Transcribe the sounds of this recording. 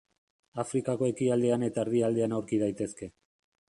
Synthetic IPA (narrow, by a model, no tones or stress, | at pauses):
afɾikako̞e̞kiald̪e̞ane̞t̪aeɾðiald̪e̞anawɾkið̞ajt̪e̞ske̞